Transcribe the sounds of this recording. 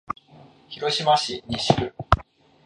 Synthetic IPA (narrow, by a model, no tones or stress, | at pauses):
çiɾo̞ɕimaɕiɲiɕikɯ̟